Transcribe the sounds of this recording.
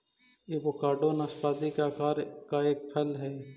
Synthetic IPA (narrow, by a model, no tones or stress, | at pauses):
jeːbokaːɾɖoːnaːspaːd̪ikaaːɾkaeːk̚pʰɐlɦɛː